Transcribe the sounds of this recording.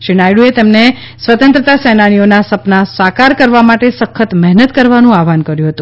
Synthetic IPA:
ʃinajɽuet̪emne | sʋət̪ənt̪ɾət̪asɛnanionasəpnasakaɾkəɾʋamaʈesəkʰːət̪mɛɦnət̪kəɾʋanũaʋankəɾjũɦət̪ũ

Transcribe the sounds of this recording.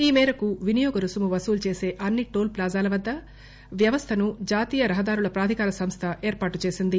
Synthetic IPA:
iːmɛːɾɐkuʋinijɔːɡɐɾusumuʋɐsuːlt͡ʃe̞ːse̞ːʔɐnːiʈoːlplaːzaːlɐʋɐd̪ːɐ | ʋjɐʋɐst̪ʰɐnud͡ʒaːt̪iːjɐɾɐɦɐd̪aːɾuɭɐpɾaːd̪ʱikaːɾɐsɐmst̪ʰɐʔeːɾpaːʈut͡ʃeːsind̪i

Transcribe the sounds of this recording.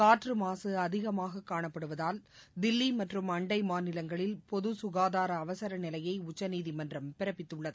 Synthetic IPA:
kaːʈrɯmaːsɯɐðɪɣɐmaːɣɐkːaːɳɐpːɐɽɯʋɐðaːld̪ɪlːimɐʈrɯmɐɳɖɐɪmaːnɪlɐŋɡɐɭɪlpɔðɯsʊɣaːðaːɾɐːʋɐsɐɾɐnɪlɐjɐɪʊt͡ʃːɐniːðimɐndrɐmpɪɾɐpːɪt̪ːɯɭːɐðɯ

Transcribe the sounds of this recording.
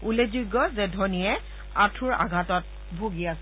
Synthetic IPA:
ulezuɡːɔzɛdʱɔnijɛ | atʰuɹa̰ɡʱatɔt̚ | bʱoɡiasɛ

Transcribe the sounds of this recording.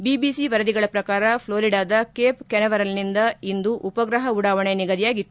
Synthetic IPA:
bibiːsiʋɐɾɐd̪iɡɐɭɐpɾɐkaːɾɐpʰloːɾiɖaːd̪ɐkeːpkɛnɐʋɐɾɐlnind̪ɐind̪uʔupɐɡɾɐɦɐuɽaːʋɐɳe̞niɡɐd̪ijaːɡit̪ːuu

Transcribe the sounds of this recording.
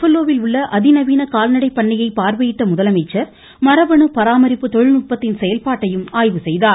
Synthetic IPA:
fɐlːoːʋɪlʊɭːɐʔɐðɪnɐʋiːnɐkaːlnɐɽɐɪpːɐɳːɐjɐɪpaːɾʋɐjɪʈːɐmʊðɐlɐmɐɪt͡ʃːɐɾ | mɐɾɐʋɐɳɯpɐɾaːmɐɾɪpːɯt̪ɔɻɪnʊʈ̚pɐt̪ːɪnsɛjɐlpaːʈːɐjɯmaːjʋɯsɛjðaː

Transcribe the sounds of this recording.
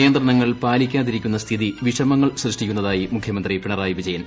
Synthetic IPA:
ijɐnd̪rɐɳɐŋːɐɭpaːlikʲːaːðiɾikʲːunːɐst̪ʰiðiʋiʂɐmɐŋːɐɭsrɨʂʈikʲːunːɐðaːjimukʰjɐmɐnd̪ripiɳɐraːjʋid͡ʑɐjɐn

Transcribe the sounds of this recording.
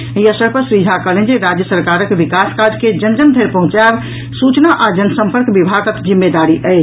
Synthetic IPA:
iəsəɾpəɾsɾid͡ʒʱakəɦlend͡ʒeɾad͡ʒjəsəɾkaɾəkʋikaskad͡ʒked͡ʒənd͡ʒənd̪ʱeɾpəɦũt͡ʃab | sut͡ʃnaʔad͡ʒənəsəmpəɾkbibʱaɡəkd͡ʒimːed̪aɾiʔəɪt͡ʃʰ

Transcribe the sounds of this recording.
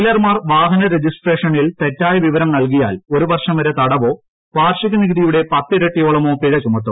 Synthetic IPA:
ilɐrmaːrʋaːɦɐnɐɾed͡ʑisʈre̞ːʂɐɳilt̪e̞tːaːjɐʋiʋɐɾɐmnɐlk̬ija̰ːloɾuʋɐrʂɐmʋɐɾet̪ɐɽɐʋo̞ː | paːrʂiɣɐniɡɨðijuɽe̞pɐt̪ːɨɾeʈːijo̞ːɭɐmo̞ːpiɻɐt͡ɕumɐrt̪ːum

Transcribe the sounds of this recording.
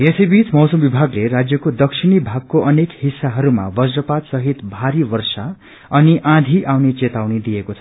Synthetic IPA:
jesʌjbit͡smʌwsʌmbibʱaɡleɾad͡zjʌkod̪ʌksʰinibʱaɡ̚koʔʌnekhisːaɦʌɾuma̰bʌsrʌpad̪sʌɦit̪bʱaɾibʌrsa | ʌniʔãd̪ʱiʔawnet͡set̪awnid̪ijekot͡sʰʌ̥

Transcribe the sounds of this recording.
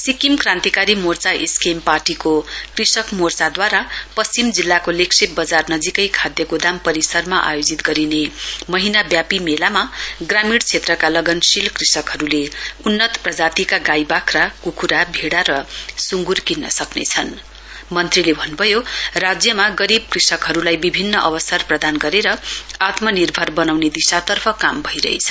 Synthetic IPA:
sikimkrãnt̪ikaɾimort͡saʔeskemparʈikokrisʌkmort͡sad̪waɾapʌsimd͡zilːakoleksʰebʌd͡zarnʌd͡zikʌjkʰad̪jʌkod̪ampʌɾisʌrmaʔa̰jod͡zit̪ɡʌɾinemʌɦinabjapimelamaɡramiɽt͡sʰet̪rʌkalʌɡʌnsilkrisʌkɦʌɾuleunːʌt̪prʌd͡zat̪ikaɡajbakʰrakukʰuɾabʱeɽaɾʌsuŋɡurkinːʌ̰sʌknḛt͡sʰʌn | mʌnt̪rilebʱʌnbʱʌjorad͡zjʌmaɡʌɾib̚krisʌkɦʌɾulajbibʱinːʌʔʌbʌsʌrprʌd̪anɡʌɾeɾʌat̪mʌnirbʱʌrbʌnawned̪isat̪ʌrpʰʌkambʱʌijɾʌ̰ɦḛt͡sʰʌ

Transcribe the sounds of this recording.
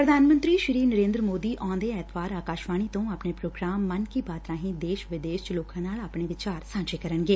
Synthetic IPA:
pɾəd̪ʱaːnmə̃nt̪ɾiːʃɪɾiːnəɾẽːnd̪ɾəmoːd̪iːʔɔ̃ːd̪eːɛːt̪ʰʋaːɾaːkaːʃʋaːɽ̃iːt̪õːaːpneːpɾoːɡɾaːmːənkiːbaːt̪ɾãːɦĩːd̪eːʃʋɪd̪eːʃt͡ʃloːkãːnaːlaːpɳeːʋɪt͡ʃaːɾsãːd͡ʒeːkəɾənɡeː

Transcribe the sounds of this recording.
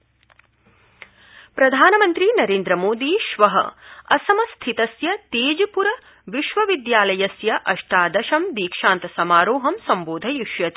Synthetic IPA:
pɾɐd̪ʱaːnɐmɐnt̪ɾinɐɾeːnd̪ɾɐmoːd̪iːʃʋɐɦɐ̰ɐsɐmɐst̪ʰit̪ɐsjɐt̪eːd͡ʒipuɾɐ | ʋiʃʋɐʋid̪jaːlɐjɐsjɐʔɐʂʈaːd̪ɐʃɐmd̪iːkʂaːnt̪ɐsɐmaːɾoːɦɐmsɐmboːd̪ʱɐjuʂjɐt̪i

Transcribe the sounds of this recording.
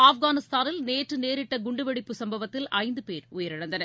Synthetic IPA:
aːfɡaːnɪst̪aːnɪlneːʈrɯneːɾɪʈːɐɡʊɳɖɯʋɐɽɪpːɯsɐmbɐʋɐt̪ːɪlɐɪnd̪ɯpeːɾʊjɐɾɪɽɐnd̪ɐnɐɾ

